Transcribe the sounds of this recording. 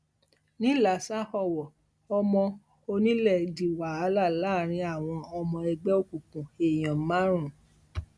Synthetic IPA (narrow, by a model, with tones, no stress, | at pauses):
nĩ˦la˨sa˦hɔ˦˨wɔ˨ | ɔ˧mɔ̃˧ | o˧nĩ˦lɛ˦˨di˨waː˨˦la˦˨la˦˨ɾ̃ĩ˧˦a˦˨w̃ɔ̃˧ɔ˧mɔ̃˧ɛ˧ɡ͡bɛ˦o˦˧kũ˨kũ˨e˨j̃ɔ̃˨˦mã˦ɾ̃ũ˦˨